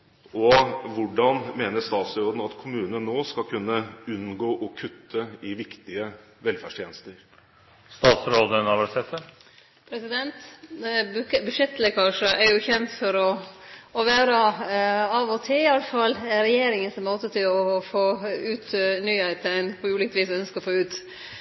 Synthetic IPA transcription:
ɔʋʊɖɑnmeːnəst̪ɑːt̪sɾoːd̪n̩ɑt̪kʰʊmʉːnənːoːskɑkʰʉnːəʉnɡoːʔɔkʰʉt̪ʰːəɪʋɪkt̪ɪə | ʋɛlfæʂʈʰjeːnəst̪əɾ | st̪ɑːt̪sɾoːd̪ənɑʋəsɛt̪ːə | pʰɾɛsɪd̪ɛnt̪ | bʉʂɛt̪lɛkʰɑʂəʔɛɾjʊçɛnt̪fɔɾɔɔʋæːɾə | ɑʋɔt̪ʰɪɪɑlːəfɑlːɾɛjeːɾɪŋənsmoːt̪ət̪ʰɪlɔfoːʉːt̪nyːhæɪt̪æɪnpʰɔʉːlɪkət̪ʋiːsœnskəɔfoːʉːt̪

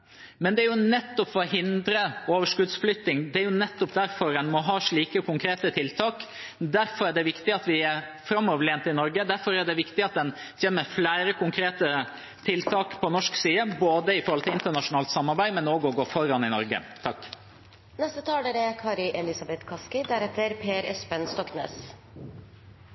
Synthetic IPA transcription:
mɛnd̪ɛæɾjʊnɛt̪ːɔpfɔɔɦɪnd̪ɾəoːʋəʂkʉd̪sflʏt̪ːɪŋd̪ɛæɾjʊnɛt̪ːɔpd̪æɾfɔɾɛnmɔɦɑːʂɭiːkəkʰʊŋkʰɾeːt̪ət̪ʰɪlt̪ʰɑːk | d̪æɾfɔɾæɖɛʋɪkt̪ɪɑt̪ʋɪæɾ | fɾɑmːɔːʋəleːnt̪ɪnɔɾɡəd̪æɾfɔɾæɖɛʋɪkt̪ɪɑt̪̚d̪ɛn | çeːnːəɾflæːɾəkʊŋkʰɾeːt̪ə | t̪ʰɪlt̪ʰɑːkpʰɔnɔʂksiːəboːd̪əɪfɔɾhɔlɪlɪnt̪əɳɑʂʊnɑːlt̪sɑmːɑɾbæɪmɛnoːɡɔɡoːfɔɾɑnɪnɔɾɡə̰t̪ʰɑkː | nɛst̪ət̪ʰɑːld̪ɛɾɛkʰɑːɾɪʔɛlɪsɑbɛt̪kʰɑskɪd̪æɾɛt̪ːəɾpʰeːɾɛspənst̪ɔknḛːs

